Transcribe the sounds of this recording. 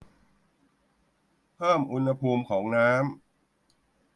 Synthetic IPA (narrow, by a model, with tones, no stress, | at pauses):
pʰɤː˥˩mʔu˧nha˧pʰuː˧mkʰɔː˩˦ŋnaː˦˥m